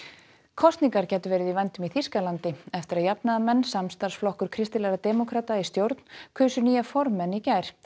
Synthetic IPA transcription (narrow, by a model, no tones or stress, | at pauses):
kʰɔst̪niŋkaɾcɛːt̪ʏvɛːɾɪðivajnt̪ʏmiθiskalant̪ɪɛft̪ɪɾaðjapnaðamɛnːsamst̪ar̥sflɔhkʏɾ̥kʰɾɪst̪ɪlɛɾat̪ɛːmɔkʰɾaːt̪aist̪jowɾt̪n̥kʰʏːsʏniːjafɔɾmːɛnːicaːjɾ̥